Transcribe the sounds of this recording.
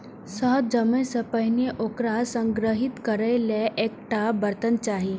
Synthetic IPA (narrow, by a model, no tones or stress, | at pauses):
səɦt̪̚d͡ʒəmẽsəpəɦɪneʔokɾasə̃ŋɡɾəɦit̪kəɾəjleʔek̚ʈabəɾt̪ənt͡ʃaːɦi